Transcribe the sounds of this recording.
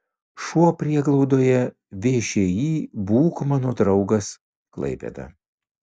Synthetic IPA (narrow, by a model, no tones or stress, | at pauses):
ʃuɔpʲɾʲiɛɡlˠɐʊd̪oːjɛ | ʋʲeːʃʲeːjiːbuːkmɑːnoːd̪ɾɐʊɡɐs | klˠɐ̰ɪpʲḛd̪ɐ̰